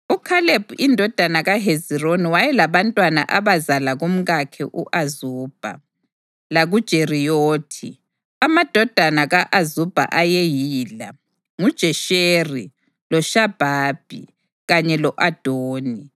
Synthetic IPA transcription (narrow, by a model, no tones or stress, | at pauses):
ukʰaleb̥ʱuindʱɔd̥ʱanaɣaɦezironiwajɛlaβantʼwana̰ʔaβazalaɣum̩ɣakʰɛ̰ʔuʔazuːb̥ʱa̰ | laɣud̥ʒ̥ʱerijoːtʰi | amad̥ʱɔd̥ʱanaɣaʔazub̥ʱa̰ʔajejiːla̰ | ŋud̥ʒ̥ʱɛʃeri | lɔʃab̥ʱaːb̥ʱḭ | ɣaɲɛlɔʔad̥ʱoːni